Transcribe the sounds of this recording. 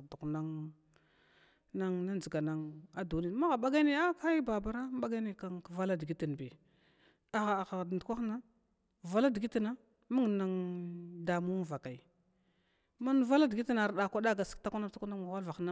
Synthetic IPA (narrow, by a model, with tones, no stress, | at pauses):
du˨kna˦ŋ | na˦ŋna˦nd͡zi˨ɡa˨na˨ŋa˦du˨ni˦˨˦ma˦ɣa˨ɓa˦ɡa˦ne˦a˦ka˦i˦ba˨ba˨ɾa˦ɓa˦ɡa˦ne˨ka˨ŋkva˦la˦di˨ɡi˦ti˨n˨bi˨ | a˨ɣa˨xa˨dndkʷa˦xna˦ | va˨la˦di˨ɡi˦ti˦na˦ | ma˦ŋ˨na˨ŋda˨mu˦˨va˨ka˨i˨ | ma˦n˦va˦la˦dɡi˦ti˦na˨ɾɗa˨kʷa˦da˦ɡa˨si̥˦kta˦kʷa˦na˦ta˦kʷu˦na˦ma˨wa˦lva˨xna˦